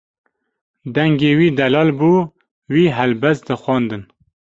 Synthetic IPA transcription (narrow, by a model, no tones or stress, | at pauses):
d̪ɛŋɡeːwiːd̪ɛlɑːlbuː | wiːɦɛlbɛst̪̚d̪ɨxwɑːnd̪ɨn